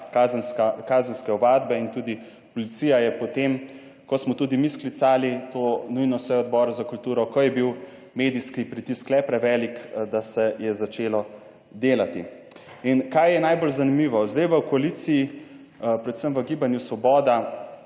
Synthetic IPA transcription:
kazənskakaːzənskɛɔʋaːd̪bɛint̪uːd̪i | pɔlit̪siːjajɛpɔt̪em | kɔsmɔt̪uːd̪imisklit̪saːlit̪oːnujnɔsʋɔjɔd̪bɔːɾzakult̪uːɾɔkɔjɛbiw | meːd̪iskipɾit̪isklɛpɾɛʋɛːlikd̪asɛjɛzat͡ʃeːlɔ | d̪eːlat̪i | inkajjɛnajbolzanimiːʋɔzd̪ajʋəkɔaliːt̪siː | pɾɛt̪səmʋəɡiːbanjusʋɔbɔːd̪a

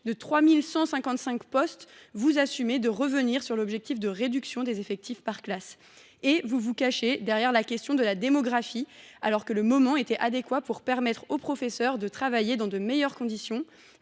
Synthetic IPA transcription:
d̪ət̪χwamilsɑ̃sɛ̃kɑ̃t̪sɛ̃kpɔst̪vuzasymed̪əʁəvəniʁsyʁlɔbʒɛk̚t̪ifd̪əʁed̪yksjɔ̃d̪ezefɛk̚t̪ʰifpaʁklas | evuvukaʃed̪ɛʁjɛʁlakʲɛst̪jɔ̃d̪əlad̪emɔɡʁafialɔʁkələmɔmɑ̃et̪ɛʔad̪ekwapuʁpɛʁmɛt̪χopχɔfɛsœʁd̪ət̪χavajed̪ɑ̃d̪əmejœʁkɔ̃d̪isjɔ̃

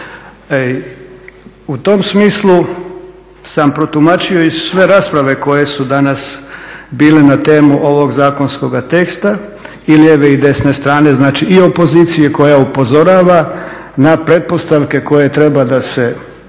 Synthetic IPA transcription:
ut̪o̞msmiːslˠu | sampɾo̞t̪umat͡ʃio̞isʋe̞ɾaːspɾaʋe̞ko̞je̞sud̪anasbiːle̞nat̪e̞ːmuʔo̞ʋo̞ɡzaːko̞nsko̞ɡat̪e̞kst̪a | ilieʋeid̪e̞sne̞st̪ɾaːne̞znaːt͡ʃiio̞po̞ziːt̪sijeko̞jaupo̞zo̞ɾaːʋa | napɾe̞t̪̚po̞st̪aʋke̞ko̞je̞t̪ɾe̞bad̪ase

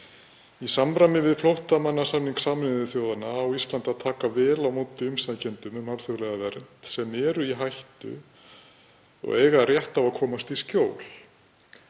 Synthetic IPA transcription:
isamɾamɪvɪðflowht̪amanːasamniŋksaːmnðʏθjoːwðanaːwist̪lant̪aðt̪ʰaːkavɛːlawmoːt̪ɪʏmst̪acɛnt̪ʏmʏmaɾθjoɣlɛɣavɛɾt̪sɛmɛːɾʏiɦajht̪ʏ̰ | ɔ̰ɣeːjɣarjɛht̪avaðkʰɔːmast̪iscjoːwl̥

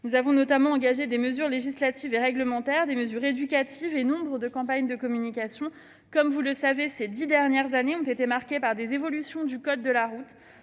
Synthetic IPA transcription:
nuzavɔ̃nɔt̪amɑ̃ːɡaʒed̪eməzyʁleʒislat̪iveʁɛɡləmɑ̃t̪ɛʁd̪eməzyʁed̪ykʲat̪ʰivenɔ̃bʁəd̪əkɑ̃paɲd̪əkɔmynikʲasjɔ̃ | kɔmvuləsavesed̪id̪ɛʁnjɛʁzaneɔ̃t̪et̪emaʁkʲepaʁd̪ezevɔlysjɔ̃d̪ykɔd̪ːəlaʁut̪

